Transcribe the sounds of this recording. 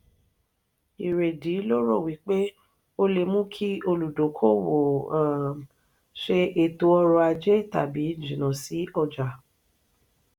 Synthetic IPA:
i˨ɾe˨di˨˦lo˦ɾo˦˨wi˨˦k͡pe˦ | o˦le˧mũ˦kʰi˦o˧lu˨do˨˦kʰo˦˨wo˨a˨ | ʃe˧e˨to˧˦ɔ˧ɾɔ˧a˧d͡ʒe˦ta̰˨bi˨˦d͡ʒĩ˨nã˨si˨˦ɔ˧d͡ʒa˨

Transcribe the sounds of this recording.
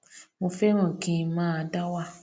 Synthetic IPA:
mo˧fɛ̃˦ɔ̃˦˨kĩ˧mãː˦a˧˦da˦wa˦˨

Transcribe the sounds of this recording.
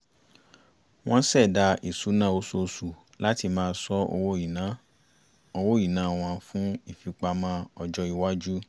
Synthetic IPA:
w̃ɔ̃˦sɛ˦˨da˧i˨su˨˦nã˦˨o˧˦so˧su˨ | la˦ti˧mãː˦˧˦sɔ˦o̰˧wo˦i˨nã˨˦ | o˧wo˦i˦˨nã˨˦˨w̃ɔ̃˧fũ˦i˦˨fi˨˧k͡pa˧mã˦ɔ˨d͡ʒɔ˧i˨wa˦d͡ʒu˦

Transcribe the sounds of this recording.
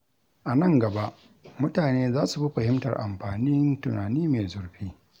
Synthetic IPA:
ʔa˨nɐ˦˨ŋɡɐ˨ba˦ʔ | mʊ˦taː˨neː˦zaː˦su˨bi˦ɸɐ˨hɪ˦mtɐ̰˨rʔa̰˨mɸaː˨ni˦ntʊ˨naː˨niː˦me˨zʊ˨rɸiː˦

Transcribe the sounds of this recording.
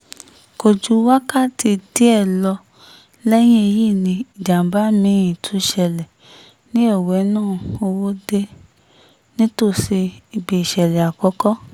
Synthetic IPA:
ko˨d͡ʒu˨˦wa˦ka˦ti˧de˦ɛ˦˨lɔ˧ | lɛ˦j̃ĩ˦e˧ji˦˨nĩ˧i˨d͡ʒa˨m̩˨ba˨˦mĩ˨˧˦jĩ˨tʰu˨˧ʃɛ˧˨lɛ˨ | nĩ˦ɔ˦˨wɛ˨˦nãː˦˨o˧wo˦de˧ | nĩ˦to˦˨se˧i˨be˨i˨ʃɛ˨lɛ˨a˨kɔ˨˦kɔ˦

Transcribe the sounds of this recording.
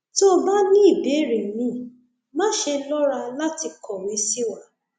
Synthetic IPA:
to˦ba˦nĩ˦i˦˨be˨˦˨ɾi˨mĩ˦ | mã˦ʃe˧lɔ˦ɾa˧la˦ti˧kʰɔ˨wi˨˦si˦wa˦

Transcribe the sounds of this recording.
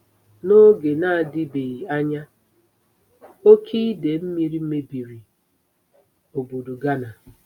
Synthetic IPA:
no˦ɡe˨na˦a˨dɪ˦be˨i˨a˦ɲa˦ | o˦kʰi˦de˨m̩˦mi˦ɾi˦me˦bi˨ɾi˨ | o˨bo˨du˨ɡa˦na˨

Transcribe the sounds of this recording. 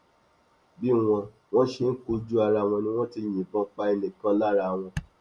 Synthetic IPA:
bi˦w̃ɔ̃˧ | w̃ɔ̃˦ʃe˧n̩˦ko˧˦d͡ʒu˦a˧ɾa˧˨w̃ɔ̃˧nĩ˧˦w̃ɔ̃˦ti˧j̃ĩ˨bɔ̃˧˦k͡pa˧e˧nĩ˨kã˧˦la˦ɾa˧˨w̃ɔ̃˧

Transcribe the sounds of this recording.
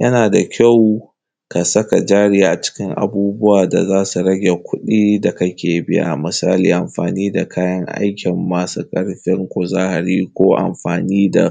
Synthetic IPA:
jɐ˦naː˨da˨kʲʰa˦˨w | ka˨sɐ˦ka˨d͡ʒaː˦ɽiː˦ʔa˨t͡ʃɪ̥˦kʲɪ˦ŋʔa̰˨buː˦bʊ˦waː˨da̰˨zaː˦su˨ɾɐ˦ɡʲe˨kʷʰʊ˦ɗiː˦da˨kɐ˦kʲeː˨bɪ˦ja̰˦˨mɨ˨saː˦liː˨ʔa˨mɸa̰ː˨niː˦da˨kʰaː˦jɐ˦ŋʔa̰˦jkʲɪ˨mːaː˦sa˦kʼɐ˦ɽɸɪ˦ŋkʷo˨zaː˦ha˨ɾiː˦kʷoː˦ʔa̰˨mɸaː˨niː˦da̰˨

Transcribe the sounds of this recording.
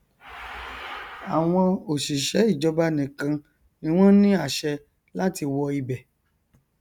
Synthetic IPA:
a˨w̃ɔ̃˧o˨ʃi˨ʃɛ˨˦i˦˨d͡ʒɔ˧ba˧nĩ˨kã˧ | nĩ˦w̃ɔ̃˦nĩ˦a˦˨ʃɛ˧ | la˦ti˧wɔ˧i˧bɛ˨

